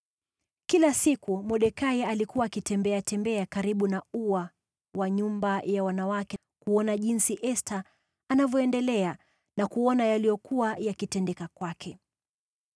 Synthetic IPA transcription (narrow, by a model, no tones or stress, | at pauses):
kilasikumɔɗɛkaialikuwaːkitɛmbɛatɛmbɛakaɾiɓunauwa | waɲumbajawanawakɛ | kuɔnaʄinsiʔɛstʰaː | navjɔɛndɛlɛa | nakuɔnajalijɔkuwajakitɛndɛkakwakʰɛ